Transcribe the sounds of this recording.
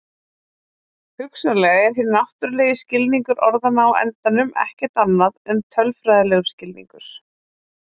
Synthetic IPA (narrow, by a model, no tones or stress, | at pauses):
hʏksalɛɣaɛɾ̥ɦɪɾnaht̪ʏɾleːjɪscɪlniŋkʏɾʔɔɾðanawɛ̰nt̪anʏmɛ̰hcɛt̪anːaðɛnt̪ʰœlfɾaːjðalɛɣʏ̥scɪlnḭŋkʏɾ̥